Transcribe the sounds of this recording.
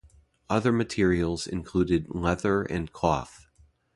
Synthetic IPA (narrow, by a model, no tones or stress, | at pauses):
ʌðə˞mɨtʰɪɹil̩ˠz̥ɪ̰̃nkʰl̥uɾɨdlɛðə˞ʔɨ̰̃nkʰɔ̰θ